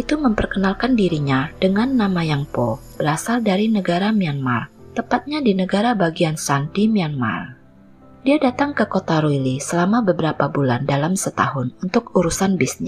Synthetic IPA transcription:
ʔit̪uməmpərkənalkandiɾiɲadəŋanːamajaŋpɔb̥əɾasaldaɾinəɡaɾamianmart̪əmpat̪̚ɲadinəɡaɾabaɡiansandimianma̰r | diadat̪aŋkəkot̪aɾuilisəlamabəbəɾapabulandalamsət̪a̰ɦʊnunt̪ʊkuɾusanbisn

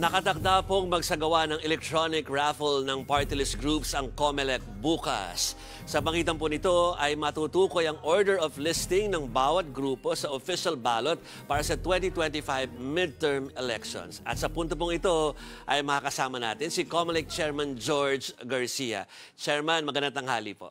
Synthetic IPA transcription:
nɐkɐt̪ɐk̚d̪apoŋmɐɡsɐɡɐwanɐŋɛlɛk̚t̪ɹonɪkɹafɛlnɐŋpaɹt̪ɪlɪsɡɹupsɐŋkomɛlɛk̚buːkɐ̰sː | ɐbɐkiːt̪ɐmp̬ʊnɪt̪o̞ɐjmɐt̪uːt̪uːko̞jɐŋʔoɹd̪ɛɹovlɪst̪ɪŋnɐŋbaːwɐt̪̚ɡɾuːpo̞sɐʔofiʃɐlbaːlot̪̚ | paːɾɐsɐt̪wɛnt̪it̪wɛnt̪ifajvmɪld̪̚t̪ɛɹmɛlɛkʃo̰nsʔɐ̰t̪sɐpunt̪op̬ʊŋɪt̪o̞ʔɐjmɐkakɐsaːmɐna̰ːt̪ɪnsɪkomɛlɛk̚t͡ʃɛɹmɐnd͡ʒoɹd͡ʒɡɐɹsijɐ̰ | t͡ʃɛɹmɐnmɐɡɐnɐt̪ɐŋɦa̰ːlipoʔ

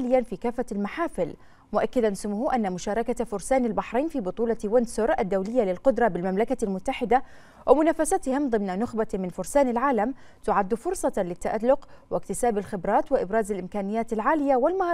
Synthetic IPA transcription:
lɪjːanfiːkaːfːalmaħaːfɪl | mʊʔakːɪd̪ansʊmʊhuʔanːamʊʃaːɾˤɑkafʊɾˤsaːnalbaħɾˤajnfiːbʊt̪ˤuːlɑwʊnsʊɾʔad̪ːawlɪjːalɪlqʊd̪ɾˤɑbɪlmamlakalmʊt̪ːaħɪd̪a | wʔɪmʊnaːfasat̪hɪmd̪ˤɨmnanʊxbamɪnfʊɾsaːnɪlʕaːlam | t̪ʊʕad̪ːfʊɾsˤɑlɪt̪ːaʔalːʊqwʔɪkt̪ɪsaːbɪlxɪbɾˤɑːt̪wɪʔɪbɾɑːzɪlʔɪmkaːnɪjːaːt̪alʕaːlɪjːawɪlmah

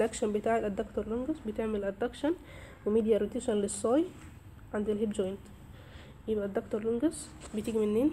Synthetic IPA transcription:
lʔækʃænbet̪aːʕelʔæd̪ːɑkt̪ɑɾˤloŋɡæsbet̪eʕmelʔæd̪ːækʃæn | wemid̪jæɾut̪eːʃænlesˤːɑːj | ʕand̪elɦebd͡ʒojnt̪ | jebʔæd̪ːɑkt̪ɑɾˤloŋɡæs | bet̪eɡmenːeːn

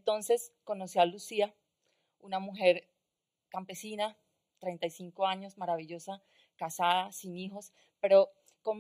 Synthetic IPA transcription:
t̪o̞nse̞sko̞no̞sialusia | unamuxe̞ɾ | kampe̞sina | t̪ɾe̞jnt̪ajsiŋko̞aɲo̞smaɾaβiʝo̞sa | kasaðasinixo̞s | pe̞ɾo̞ | kom

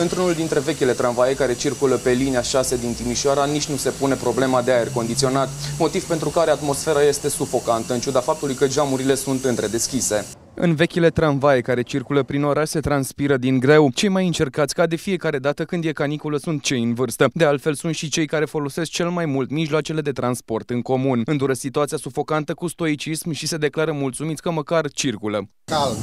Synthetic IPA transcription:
ɨnt̪ɾunuld̪int̪ɾe̞ve̞kʲile̞t̪ɾanvaje̞kaɾe̞t͡ʃirkuləpe̞liniaʃase̞d̪int̪imiʃaɾanit͡ʃʲnuse̞pune̞pɾo̞ble̞mad̪eaje̞rko̞nd̪it̪sio̞nat̪mo̞t̪ivpe̞nt̪ɾukaɾe̞at̪mo̞sfe̞ɾaje̞st̪e̞sufo̞kant̪əɨnt͡ʃud̪afap̚t̪ulujkəd͡ʒamuɾile̞sunt̪ɨnt̪ɾe̞d̪e̞skʲise̞ | ɨ̰nve̞kʲile̞t̪ɾanvajekaɾe̞t͡ʃirkuləpɾino̞ɾaʃse̞t̪ɾanspiɾəd̪iŋɡɾe̞wt͡ʃe̞jmajɨnt͡ʃe̞rkat̪sʲkad̪e̞fije̞kaɾe̞d̪at̪əkɨnd̪jekanikuləsunt̪̚t͡ʃe̞jɨnvɨrst̪əd̪ealt̪fe̞lsunt̪ʃit͡ʃe̞jkaɾe̞fo̞lo̞se̞sk̚t͡ʃe̞lmajmult̪miʒloat͡ʃe̞le̞d̪e̞t̪ɾanspo̞rt̪ɨŋko̞munɨnd̪uɾəsit̪uat̪sijasufo̞kant̪əkust̪o̞it͡ʃismʃise̞d̪e̞klaɾəmult̪sumit̪sʲkəməkart͡ʃirkulə | kal

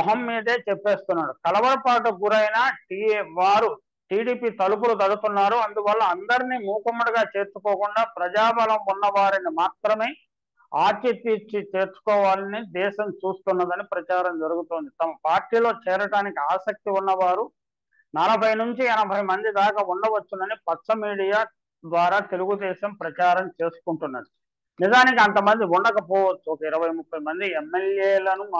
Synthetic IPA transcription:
ɦɐmːiːd̪e̞ːt͡ʃɛpːe̞ːst̪unːaːɽukɐlɐʋɐɾɐpaːʈ̬ɐɡuɾɐjnaːʈiːʋaːɾu | ʈiːɽiːpiːt̪ɐlup̬ulut̪̬ɐɽut̪unːaːɾuɐnd̪uʋɐlːɐɐnd̪ɐɾiniːmuːkɐmːuɽɐɡaːt͡ʃe̞ːɾt͡ʃukɔːkuɳɖaːpɾɐd͡ʒaːbɐlɐmunːɐʋaːɾinimaːt̪ɾɐme̞ː | aːt͡ʃ̪ɐt̪ːit͡ʃːit͡ʃe̞ːɾt͡ʃu̥kɔːʋaːlɐnid̪ɛːʃɐmt͡ʃuːst̪unːɐd̪ɐnipɾɐt͡ʃaːɾɐmd͡ʒɐɾuɡut̪oːnd̪it̪ɐmɐpaːɾʈːiːlo̞ːt͡ʃɛːɾɐʈaːnikiaːsɐk̚t̪iunːɐʋaːɾu | nɐlɐbʱɐjnuɲt͡ʃiɛnɐbʱɐjmɐnd̪id̪aːkɐuɳɖɐʋɐt͡ʃːund̪ɐnipɐtsɐmiːɽijaː | d̪ʋaːɾaːt̪e̞luɡud̪ɛːʃɐmpɾɐt͡ʃaːɾɐmt͡ʃe̞ːsu̥kuɳʈunːɐ̰d̪u | nid͡ʒaːnik̬iɐnt̪ɐmɐnd̪iuɳɖɐkɐpɔːʋɐt͡ʃːuɔkɐiɾɐʋɐjmupːɐjmɐnd̪iɛmːeljeːlɐnu

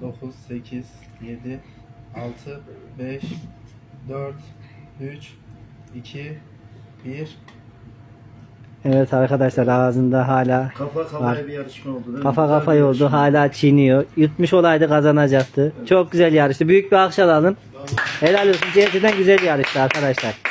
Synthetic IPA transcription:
d̪o̞kʰuz̥se̞cʰiz̥ | je̞d̪i | alˠt̪ʰɯbɛʃ | d̪øɾt̪yt͡ʃ | icʰi | biɾ | ɛvɛt̪ʰaɾkʰad̪aʃlˠaɾaːzɯnd̪aɦaːlʲaːkfvaɾjaɾɯʃmolˠd̪ukʰafakʰafajo̞lˠd̪uɦaːlʲaːt͡ʃʰinijojut̪muʃo̞lˠajd̪ɯkʰazanad͡ʒak̚t̪ʰɯt͡ʃʰo̞k̚ɟyzælʲjaɾɯʃt̪ɯbyjyc̚biakʃalˠalˠɯn | elʲælʲˠiosund͡ʒeɦet̪ʰed̪ænɟyzælʲjaɾɯʃt̪ɯaɾkʰad̪aʃlˠaɾ̥

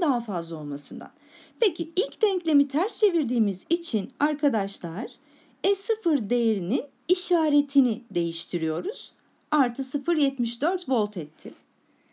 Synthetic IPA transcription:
d̪aɦafazlˠao̞lˠmasɯnd̪a̰n | pʰecʰiilʲcd̪ɛɲclʲe̞mit̪ʰæɾst͡ʃe̞viɾd̪iːmizit͡ʃʰinaɾkʰad̪aʃlˠaɾ̥ | ɛsɯfɯɾd̪e̞jeɾinin | iʃaːɾe̞t̪ʰinid̪e̞jiʃt̪ʰiɾijo̞ɾuz̥ | aɾt̪ʰɯsɯfɯɾjɛt̪miʃd̪øɾt̪vo̞lˠt̪ʰɛt̪ʰːɪ

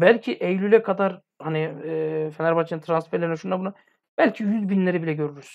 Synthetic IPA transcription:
bælʲcʰiʔejlʲylʲɛkʰad̪aɾ | hanifenæɾbat͡ʃʰɯnt̪ʰɾansfɛɾlʲeɾinɛʃunabuna | b̥ælʲcʰijyzbinlʲeɾibilʲɛɟø̞ɾyɾyz̥

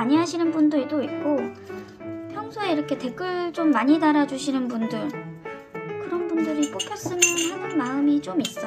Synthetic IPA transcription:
aɲiɦaɕʰinɯnbundoɾidoik̚k͈o | pʰjʌŋsʰoe̞iɾʌkʰe̞te̞k͈ɯɭt͡ɕ͈omːaɲidaɾad͡ʑuɕʰinɯnbundɯɭ | kɯɾʌnbundɯɾip͈okʰjʌs͈ɯmjʌnhɯnɯnmaɯmit͡ɕ͈omis͈ʌ

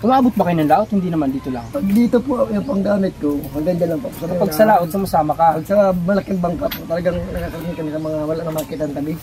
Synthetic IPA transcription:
ʔʊmaːbʊt̪̚bɐkɐjonɐŋlaːʔot̪hɪnd̪iːnɐmand̪iːt̪ola̰ːotɐd̪iːt̪opojʊŋpɐŋɡaːmɪt̪̚kohɐŋɡɐŋd̪ɐlɐŋpɐpusɐnɐpɐɡsɐlaʔod̪̚sɐmɐsaːmɐkahɐɡ̚sɐmɐlɐkɪŋ̚bɐŋkapot̪ɐlɐɡaŋnɐkakɐɾɐmɪnkɐnɪk̪ɐmɐŋawɐlaʔnɐmɐlɐkɪt̪ɐŋt̪ɐbɪɡ

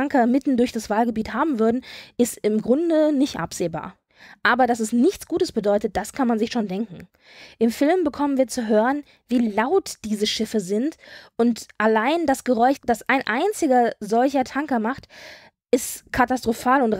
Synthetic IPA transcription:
ŋkɐmɪtn̩dʊɐçd̥asv̥aːlɡəbiːthaːbm̩vʏɐdn̩ʔɪstɪmɡʁʊndənɪçtʔa̰pz̥eːba̰ːɐ | ʔaːbɐdas̬ɛsnɪçt͡sɡ̥uːtəsb̥ədɔʏtət̚d̥askʰanmanzɪçʃoːndɛŋkŋ̩ | ʔɪmfɪlmbəkʰɔmənviːɐt͡suɦøːʁən | viːlaʊtd̥iːzəʃɪfəzɪntʔʊntʔalaɪndasɡ̥əʁɔʏçd̥asʔaɪnʔaɪnt͡sɪɡɐzɔlçɐtʰaŋkɐmaχt | ʔɪstkʰatastʁ̥ofaːlʊnt

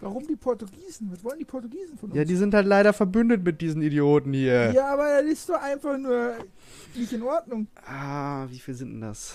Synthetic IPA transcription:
vaʁʊmdiːpʰɔɐtuɡiːzn̩ɪtvɔləndiːpʰɔɐtuɡiːzn̩fɔjaːdiːzɪnthaltlaɪɾɐfɛɐbʏndətmɪt̚d̥iːzn̩idjoːtn̩hiːɐjaːʔaːbɐɪstd̥oʔaɪnfaχnuːɐ | nɪçtɪnʔɔɐdnʊŋʔaːviːfiːlzɪntd̥nda̰s

